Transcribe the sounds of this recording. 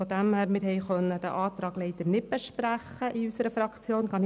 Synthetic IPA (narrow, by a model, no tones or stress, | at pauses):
ɔd̪æmhæːɾmɪːɾɦɛɪχœnːəd̥̪æ̰ʔɑːt̪ɾɑːɡlɛɪt̪əɾnɪt̚b̥ɛʃpɾæχːəʔiysəɾəfɾɑkt͡sjoːnkɑn